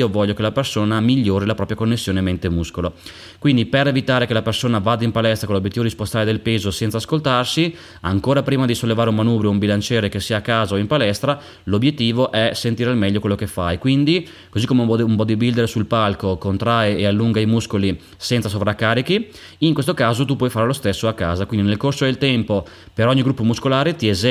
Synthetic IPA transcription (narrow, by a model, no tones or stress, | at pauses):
ovɔʎːokelapersoːnamiʎːoːɾilapɾɔːpɾjakonːesːjoːnemːent̪emuskolo | kwind̪ipeɾevit̪aːɾekelapersoːnavaːd̪aimpalɛst̪ɾakonlːobjet̪ːivod̪ispost̪aɾed̪elpeːzosɛnt̪saːskolt̪arsi | a̰ŋkoːɾapɾiːmad̪isolːevaːɾeumːanuːbɾioumbilant͡ʃɛːɾekesːiːaːkːaːzaoimpalɛst̪ɾa | lobjet̪ːiːvoʔɛsent̪iːɾealmɛʎːokwelːokefːa̰jkwind̪i | kozikːomeuumpɔd̪ibild̪eɾesulpalkokont̪ɾaeealːuŋɡaimuskoli | sɛnt̪sas̬ovɾakːaːɾiki | iŋkwes̬t̪okaːzot̪upwɔjfaːɾelost̪esːoakːa̰ːzakwind̪inelkorsod̪elt̪ɛmpo | peɾɔɲːiɡɾupːomuskolaːɾet̪iez